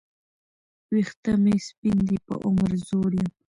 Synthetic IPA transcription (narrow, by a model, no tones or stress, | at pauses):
wiχt̪amɪspɪnd̪ɪpa̰ʔoŋɾzoɾjaŋ